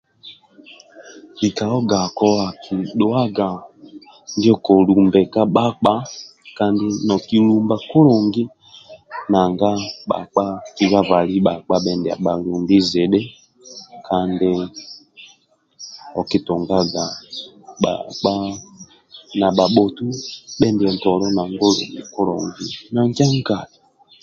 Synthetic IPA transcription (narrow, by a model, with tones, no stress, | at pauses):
i˨ka˨ɔ˦ɡa˨kɔ˦a˨kʰi˨ɗɔ˦a˦ɡa˨ | ndɔ˦kɔ˨lu˨mbɛ˨ka˦ɓa˦k͡pa˦ka˦ndi˦nɔ˨ki˨lu˨mba˨ku˦lɔ˨ŋɡi˦ | na˨ŋɡa˦ɓa̰˨k͡pa˦ki˨βa˦va˨li˦ɓa˨k͡pa˦ɓɛ˨ndɛ˨a̰˨ɓa˨lu˨mbi˦zɛ˨ɗɛ˦ | kʰa˦ndɛ˦ | ɔ˨ki˦tɔ˨ŋɡa˦ɡa˨ɓa̰˨k͡pa˦ | na˨ɓa˨ɓɔ˨tu˦ɓɛ˦ndi˨ɛ˨n˨tɔ˨lɔ˦na˨ŋɡɔ˦lɔ̰˨ŋɡḭ˨kɔ˦ɾɔ̰˨ŋɡi˦na˨ŋ˦ka˦ŋ̩˦ɡa˨li˨